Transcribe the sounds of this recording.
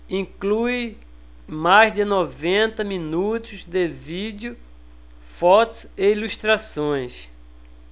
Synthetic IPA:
ĩkluɪ | majzd̪ɪnɔvẽnt̪ɐmĩnut̪ʊzd̪evid̪ʊ | fɔt̪ʊ̥seiluʃt̪ɾasõj̃s

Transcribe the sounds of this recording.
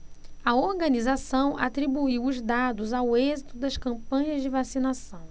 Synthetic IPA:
ɐoɾɡɐ̃nizasɐ̃w̃ʔa̰t̪ɾibuiwʊzd̪ad̪ʊzawezit̪ʊd̪ɐskɐ̃mpɐ̃ɲɐzd͡ʒɪvasinasɐ̃w̃

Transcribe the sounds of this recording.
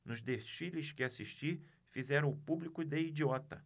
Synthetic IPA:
nʊzd̪eʃilɪskɪasiʃt͡ʃi | fizɛɾɐ̃ʊpublikʊd̪eid͡ʒiɔt̪ɐ̰

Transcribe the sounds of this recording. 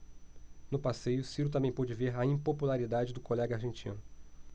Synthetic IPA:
nʊpasejʊsiɾʊt̪̬ɐ̃mbẽj̃pɔd͡ʒɪveɾɐĩpopulaɾid̪ad͡ʒɪd̪ʊkolɛɡɐaɾʒẽnt͡ʃiɐ̰̃nʊ

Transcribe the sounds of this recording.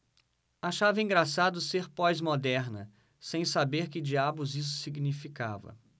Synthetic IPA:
aʃavɐĩŋɡɾasad̪ʊseɾpɔjzmod̪ɛɾnɐ | sẽj̃sabeɾkɪd͡ʒiabʊzis̬ʊ̥siɡnifikavɐ̰

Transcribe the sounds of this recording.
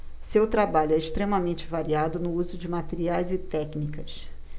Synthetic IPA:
sewt̪ɾabaʎʊɛɪʃt̪ɾemɐmẽnt͡ʃɪvaɾiad̪ʊnʊuzʊd͡ʒɪmat̪eɾiajzɪt̪ɛknikɐs

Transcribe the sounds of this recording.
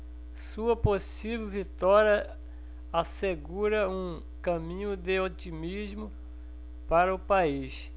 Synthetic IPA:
suɐposivewvit̪ɔɾiɐ | aseɡuɾɐũ | kɐ̃mĩɲʊd̪eot͡ʃimizmʊ | paɾɐʊpais

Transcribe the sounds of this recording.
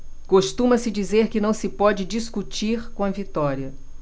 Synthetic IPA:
koʃt̪ũmɐsɪd͡ʒizeɾkɪnɐ̃w̃sɪpɔd͡ʒɪd͡ʒiskut͡ʃiɾkõɐvit̪ɔɾiɐ

